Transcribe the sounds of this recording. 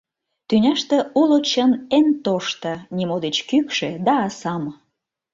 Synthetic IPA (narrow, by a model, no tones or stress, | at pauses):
t̪ynʲɑʃt̪ĕulot͡ɕənent̪oʃt̪ə̆nʲimod̪et͡ɕkykʃĕd̪ɑːsɑm